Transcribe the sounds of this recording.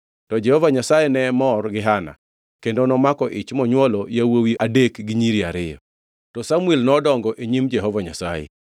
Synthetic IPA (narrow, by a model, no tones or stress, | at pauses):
tɔd͡ʒɛhɔvaɲasajenɛmɔrɡɪɦana̰ | kendonɔmakɔʔɪt͡ʃmɔɲwɔlɔjawowiʔadekɡɪɲiɾiaɾɪjɔ̰ | tɔsamwelnɔdɔŋɡɔʔeɲimd͡ʒɛɦɔvaɲa̰sajɛ̰